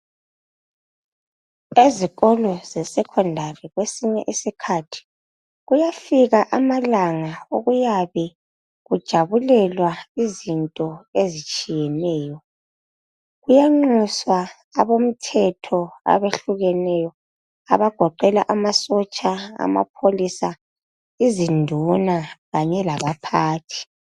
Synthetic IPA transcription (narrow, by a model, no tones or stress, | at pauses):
eziɣɔlɔzɛsɛkʰɔndʱarɛɣwesiɲɛ̰ʔisikʰatʰi̥ | ɣujafiɣaʔamalaŋaoɣujaβɛ | ɣud̥ʒ̥ʱaβulɛlwaizintʼɔezit͡ʃʼijɛnɛːjɔ | ɣujaŋ͡ǃuswaː | βom̩tʰɛtʰɔa̰βeɬuɣɛnɛjɔ | aβaɡ̥ʱɔǃɛlaʔamasɔt͡ʃʼaa̰ma̰pʰolisa | izindʱunaɣaɲɛlaβapʰaːtʰi̥